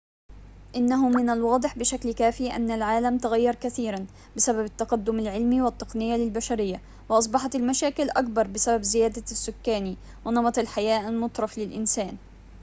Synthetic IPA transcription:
ʔɪnːaɦʊmɪnalwɑːd̪ˤɨħbɪʃaklkaːfiːʔa̰nːalʕaːlamt̪aɣajːɑɾˤkaθiːɾan | bɪsababat̪ːaqɑd̪ːʊmalʕɪlmiːwɪt̪ːɨqnɪjːalɪlbaʃaɾɪjːa | wɪʔɑs̬ˤbɑħɑt̪almaʃaːkɪlʔak̚bɑɾˤbɪsababzɪjaːd̪asːʊkːaːni | wɪnɑbɑt̪ˤalħajaːʔalmʊt̪ˤɾˤɑflɪlʔɪnsaːn

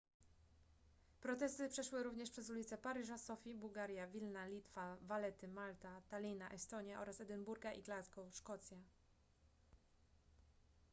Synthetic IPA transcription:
pɾɔt̪ɛst̪ɘpʂɛʂwɘɾuvɲɛʂpʂɛzulʲit̪sɛpaɾɘʐasɔfʲibuwɡaɾʲjavʲilnalʲit̪favalɛt̪ɘmalt̪at̪alʲinaʔɛst̪ɔɲjaʔɔɾasɛd̪ɘnbuɾɡaʔiɡlaskɔʂkɔt̪sʲja

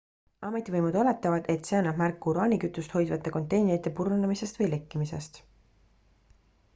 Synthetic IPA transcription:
ɑmet̪ːˑivɤjmud̪̥ole̞t̪ːˑɑvɑd̪e̞t̪se̞ɑnːɑb̥mærkːuɾɑːnikyt̪ːˑust̪ho̞jd̪vɑt̪ːˑeko̞nt̪ːˑe̞jneɾit̪ːˑepurunemise̞st̪vɤjle̞kːimise̞st̪

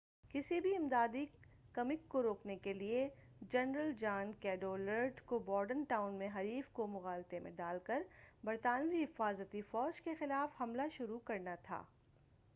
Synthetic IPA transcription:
kɪsibʱiɪmd̪aːd̪i | kɐmɪkːoɾoːknekelie | d͡ʒɛnɾəld͡ʒaːnkɛːɖoːləɾɖkobɔːɾɖənʈaːʊnmẽɦɐɾiːfkomʊɣaːlt̪emḛ̃ɖaːlkəɾbɐɾt̪aːnbʱiɦɪfaːzət̪ifɔːd͡ʒkexɪlaːfhɐmlaʃʊɾukɐɾnat̪ʰa̰ː

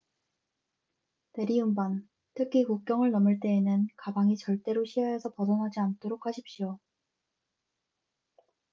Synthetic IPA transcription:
ne̞ɾiumbaŋ | tʰɯkʰikuk̚k͈jʌŋɯɭnʌmɯɭt͈e̞ːnɯnkabaŋit͡ɕʌɭt͈e̞ɾoɕʰiɦaesʰʌpʌsʰʌnɦad͡ʑiantʰoɾok̚ʰhaɕʰip̚ɕio

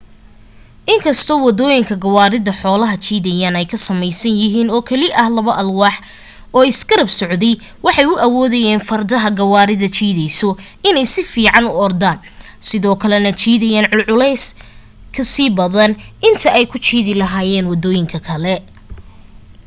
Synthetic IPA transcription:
ʔɪŋkʰɐst̪ʰɔːwɐd̪ɔːjɪŋkʰɐɡɐwaːɾɪðɐħɔːlɐɦɐt͡ʃʰiːðɛjaːnɛjkʰɐsɐmɛjsɐnjɪɦiːnɔːkʰɐlɪʔɐhlɐβɐʔɐlwɑːħ | ɔːɪsɡɐɾɐbsɔʕd̪ɛj | wɑħɑjʊʔɐwɔːðɐjɛːnfɐrd̪ɐɦɐɡɐwaːɾɪðɐt͡ʃiːðɛjsɔ | ɪnɛjsɪfiːʕɑnʊɔrd̪aːn | sɪðɔːkʰɐlɛnɐt͡ʃʰiːðɐjaːnʕʊlʕʊlɛjs | kʰɐsiːbɐðɐnʔɪnt̪ʰɐʔɛjkʰʊt͡ʃiːðɪlɐɦaːjɛːnwɐd̪ɔːjɪŋkʰɐkʰɐlɛ

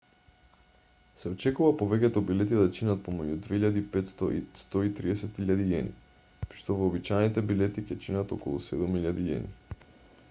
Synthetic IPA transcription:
sɛot͡ʃɛkuvapovɛkɛt̪ɔbilɛt̪id̪at͡ʃinat̪̚pomɛɟud̪veiʎad̪iːpɛt̪st̪ɔḭst̪ɔit̪ɾiɛsɛt̪iʎad̪iɛ̰nḭ | ʃt̪ovoːbit͡ʃajnit̪ɛbilɛt̪icɛt͡ʃinat̪o̰kɔ̰lˠṵsɛd̪umiʎad̪iɛ̰nḭ

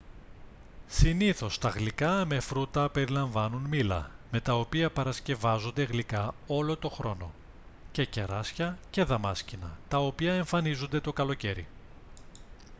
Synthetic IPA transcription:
siniθo̞st̪ɐɣlikɐme̞fɾut̪ɐpe̞ɾilɐɱvɐnunmilɐ̰me̞t̪ɐopiɐpɐɾɐsce̞vɐzo̞nd̪e̞ɣlikɐo̞lo̞t̪o̞xɾo̞no̞̰ | ce̞ce̞ɾɐsçɐce̞ðɐmɐscinɐ̰t̪ɐo̞piɐe̞ɱfɐnizund̪e̞t̪o̞kɐlo̞ce̞ɾḭ

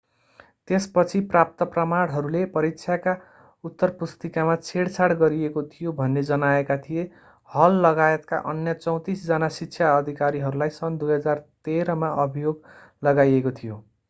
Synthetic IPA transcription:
t̪espʌt͡sʰiprap̚t̪ʌprʌmaɽ̃ɦʌɾulepʌɾikt͡sʰjaka | ut̪ːʌrpust̪ikamat͡sʰeɽt͡sʰaɽɡʌɾiekot̪ʰijobʱʌnːed͡zʌnaekat̪ʰije | hʌlːʌɡaet̪ka̰ʔʌnjʌt͡sʌ̃w̃t̪isd͡zʌnasitːt͡sʰjaʌd̪ʱikaɾiɦʌɾulajsʌnd̪ujɦʌd͡zart̪eɾʌmaʔʌbʱijoɡ | lʌɡajekot̪ʰijo

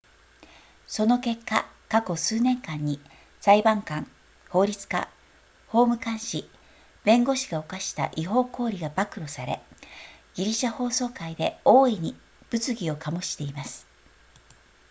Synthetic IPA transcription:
so̞no̞ke̞kːa̰ | kako̞sɨːnẽ̞ŋkãɲ̟ːi | z̥aibãŋkãŋ | ho̞ːɾʲit͡sɨ̥ka̰ | ho̞ːmɯ̟kãɰ̃ɕi | b̥ẽ̞ŋɡo̞ɕi̥ɡao̞kaɕi̥t̪a̰ʔiɦo̞ːko̞ːɾʲiɡabakɯ̟ɾo̞saɾe̞̰ | ɡ̥ʲiɾʲiɕaho̞ːso̞ːkaid̪e̞oːiɲ̟i | b̥ɯ̟t͡sɨɡʲio̞kamoɕi̥t̪e̞imasɨ̥

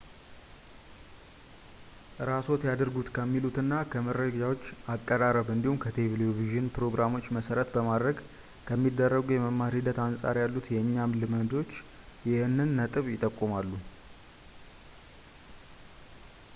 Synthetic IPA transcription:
ʔɨɾaso̞t̪jad̪ɨɾɡut̪kʰəmːilut̪ɨnːakʰəməɾəɡawot͡ʃːakʼːəɾaɾəβɨnd̪ihumkʰət̪ʰeveloviʒɨnpɾo̞ɡɾamo̞t͡ʃːməsəɾət̪bəmad̪ɾəɡ | kʰəmːid̪ːərːəɡujɛməmːaɾhid̪ət̪ansʼa̰ɾjalːut̪jɛɲːamlɨmɨnd̪o̞t͡ʃː | jɪhɨnːɨnːət̪ʼɨβjɪt̪ʼːəkʼːumalːu

